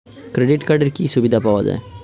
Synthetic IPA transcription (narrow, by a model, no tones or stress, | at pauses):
kɾeɖɪʈkaɾɖəɾkisubɪd̪apaʋad͡ʒa̰ːe